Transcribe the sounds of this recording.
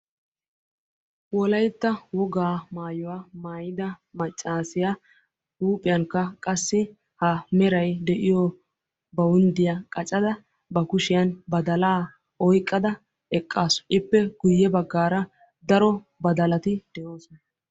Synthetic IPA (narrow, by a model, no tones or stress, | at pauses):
wɔlɐjt̪ːɐwɔɡaːmaːjɔwamaːjɪd̪ɐmɐt͡ʃʼːaːsɪja | uːpʼɪjɐŋkːɐkʼɐsːɪ | hɐmɛɾɐjd̪ɛʔɪjɔ | bɐwʊnd̪ɪjɐkʼɐt͡ʃʼɐd̪ɐ | bɐkʊʃɪjɐnbɐd̪ɐlaː | ʔɔjkʼːɐd̪ɐ | ɛkʼːaːsɔ̥ʔɪpːɛɡ̥ʊjːɛbɐɡːaːɾɐ | d̪ɐɾɔ | bɐd̪ɐlɐt̪ɪd̪̥ɛʔoːsɔnɐ